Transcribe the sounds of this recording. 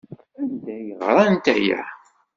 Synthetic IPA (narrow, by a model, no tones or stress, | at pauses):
ænd̪æjəʁɾˤɑnt̪æ̰jæ̰